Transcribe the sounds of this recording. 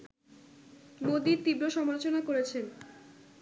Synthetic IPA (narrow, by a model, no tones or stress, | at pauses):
mod̪iɾt̪ibɾoʃɔmaɾot͡ɕonakoɾet͡ɕʰen